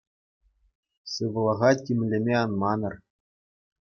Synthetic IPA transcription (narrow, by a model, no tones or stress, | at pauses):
sɯʋɤ̆lˠɑʁɑtʲimʲlʲɘ̆mʲeɑnmɑnɤ̆r